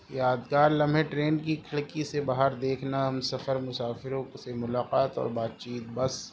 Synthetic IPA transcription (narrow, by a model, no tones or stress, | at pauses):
jaːd̪ɡaːɾlɐ̃mbʱeʈɾeːnkikʰɪɭkisebaːɦəɾd̪eːkʰnaɦɐmsɐfəɾmʊsaːfɪɾõsemʊlaːqaːt̪ɔ̰ːɾbaːt̪̚t͡ʃiːt̪̚bɐs